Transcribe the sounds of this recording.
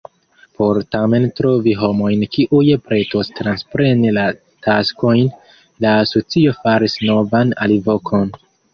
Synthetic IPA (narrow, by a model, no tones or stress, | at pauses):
pʰo̞ɾtame̞ntɾo̞viɦo̞mo̞jnkiʔujepɾe̞to̞stɾanspɾe̞nila | tʰasko̞jn | laːso̞t͡sio̞faɾisno̞vana̰livo̞kʰo̞n